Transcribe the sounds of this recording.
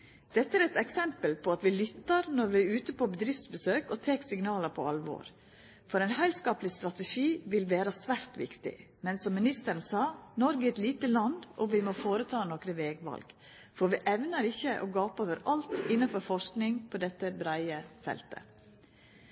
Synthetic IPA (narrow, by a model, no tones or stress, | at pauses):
d̪̥ɛt̪ːəæːɾɛt̪ɛksɛmpəlpʰɔɑt̪ʋɪlʏt̪ːɑɾnɔɾʋɪæɾʉːt̪əpʰɔbəd̪ɾɪft̪sbəsøːkɔt̪ʰeːksɪŋnɑːləɾpʰɔɑlʋo̰ːɾ | fɔɾæɪnhæɪlskɑːplɪst̪ɾɑt̪ɛʂiːʋɪlʋeːɾəsʋæɾt̪ʋɪ̰kt̪ɪ̰mɛnsɔmːɪnɪst̪əɾənsɑːnɔɾɡəɛt̪liːt̪əlɑnd̪ʔɔʋɪmɔfoːɾət̪ʰɑːnɔkɾəʋeːɡʋɑ̰lɡ̥ | fɔɾʋɪʔɛʋnəɾɪçəʔɔɡɑːpoːʋəɾɑlt̪ɪnɑfɔɾfɔʂknɪŋpʰɔd̪ɛt̪ːəbɾæɪəfɛ̰lt̪ə̰